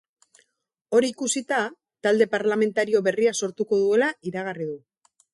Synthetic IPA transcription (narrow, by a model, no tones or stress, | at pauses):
o̞ɾiikusit̪a | t̪ald̪e̞paɾlame̞nt̪aɾio̞βe̞riaso̞ɾt̪uko̞ðue̞laiɾaɣariðu